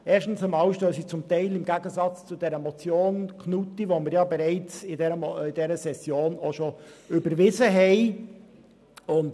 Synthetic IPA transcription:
ʔɛːɾʃtn̩səmɑwʃtøːsit͡sʊmt̪ɛɪlɪmɡæɡəzɑt͡st͡sʊd̥ɛɾəmɔt͡sjoːnkʰnutiʋomɪɾjɑbɛɾɛɪt͡sɪdɛɾəmɪd̥ɛɾəsɛsjoːnoʃoʏbəɾvɪzəɦɛɪ | ʊnt

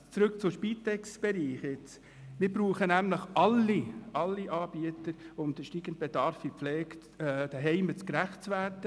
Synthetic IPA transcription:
t͡sɾɵk̚t͡sʊʃpit̪ɛksb̥ɛɾiːχjɪt͡s | mɪɾbɾuːχənæmləχʔɑlːiɑlːiʔɑːb̥iətəɾʊmd̥̪əʃtiːɡən̩t̚b̥ed̪ɑɾfipflɛːktː | d̥əɦɛɪmət͡skɾæχt̚t͡sʋæɾtə

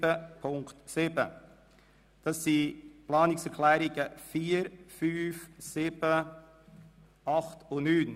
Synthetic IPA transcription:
əpʰʊŋktsɪb̥ə | d̥ɑsːiplɑːnɪksɛɾkʰlɛːɾiɡ̥əfiːəɾfyːfsɪb̥ə | ɑχtʊnyːn

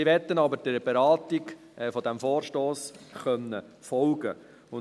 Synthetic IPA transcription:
iʋɛt̪ːənɑbəɾd̥əb̥ɛɾɑːtiɡ | fɔd̪æmfoːrʃtoːsχœnːə | fɔlɡə̰ | ʊn

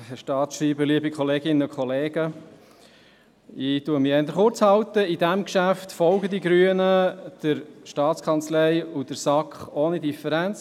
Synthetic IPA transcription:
ʃtɑːtʃɾiːbəliəbikʰɔleːɡɪnːəʊkʰχɔleːɡ̥ə | ɪtuəmiɛnd̪əɾχʊɾt͡shɑwt̪əidæmkʃæft̪fɔlɡəd̪iɡɾyənəd̥əɾʃtɑːtt͡skʰɑnt͡slɛɪjud̥əɾsɑkχoːnid̪ifəɾænt͡s

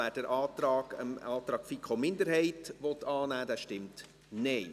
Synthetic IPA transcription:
æːɾd̥əɾʔɑːtɾɑːɡ̥ɑːt̪ɾɑːkfikʰχomɪndəɾhɛɪtʋɔtɑːnæːd̥æːʃtɪmt | neː

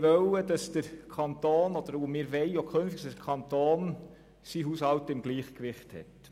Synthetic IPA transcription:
ʋœwəd̥ɑsd̥əɾkʰɑnt̪oːnɔd̥̪əɾumɪːɾʋɛɪjokʰχønftiɡtsdəkʰɑnt̪oːn | siɦushɑwtɪmɡ̥liːχkʋɪχthɛ̰t

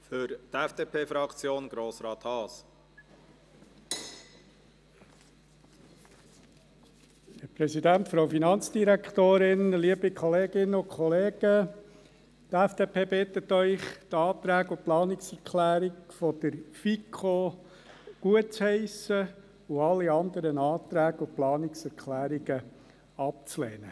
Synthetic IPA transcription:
fʏɾt̪ɛfd̥eːpʰeːfɾɑkt͡sjoːnɡ̥ɾoːsɾɑːt̪hɑːs | ɛpɾɛsidænt̪fɾoʊfinɑnt͡sd̥̪iɾækt̪oːɾɪnliəbikʰχɔleːɡɪnːəʊkʰχɔleːɡ̥ə | t̪æfd̥eːpʰeːbɪt̪ːətːœʏχt̪ɑːt̪ɾæːɡʊplɑːnɪksɛɾkʰlæːɾikfɔd̪̥əɾfikʰo | ɡ̥uət̚t͡shɛɪsə | ʊɑlːiɑnd̪əɾənɑːt̪ɾæːɡʊplɑːnɪksɛɾkʰlæːɾiɡə | ɑp̚t͡slḛːnə

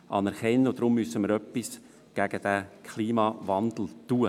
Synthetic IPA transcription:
ʔɑnɛɾkɛnːəod̥̪ɾʊmːʏsəməɾœpis | ɡ̥æɡ̥əd̥ækʰliːmɑvɑndl̩tuːə

